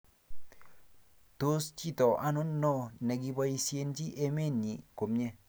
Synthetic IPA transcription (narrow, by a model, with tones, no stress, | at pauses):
t̪o˦st͡ʃi˦˨t̪ɔ˨ʔa˦nʊ˦nːɔ˦nɛ˨ɡi˧ba˦i˧sje˦nd͡ʒi˦ʔe˦me˦˨nɲi˨ko˨mɲɛ˦